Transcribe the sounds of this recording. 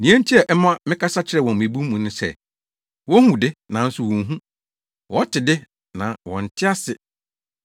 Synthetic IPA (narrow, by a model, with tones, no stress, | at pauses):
nĩ˨˦æ̃˦n̩˦tʰi˦ɛ˨ʔɛ˦mã˦mɪ̃˦kʰa˦sa˦t͡ɕʰɪ˦ɾɛ˨wɔ̃˨mmĩ˨bu˦mũ˨nʊ̃˦sɛ̰˦˨ | wɔ˦hũ˨dɪ˦nã˨n̩˦sʊ˨wɔ̃˨ŋ˨ɦũ˦ | wɔ˨˦tʰɪ˨dɪ˦ | nã˨wɔ̰̃˨n̩˨tʰɪ˦a˦sɪ˨